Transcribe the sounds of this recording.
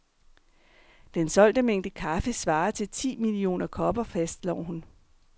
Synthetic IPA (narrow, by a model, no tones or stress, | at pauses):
d̥ensɒ̽l̰d̥əmeŋ̰d̥əkʰɑ̈fəsʋɑ̈ːt͡sʰe̝lt͡sʰḭːmilio̝̰ːnɐkʰɒ̽b̥ɐfæsd̥lɒ̰ːɦun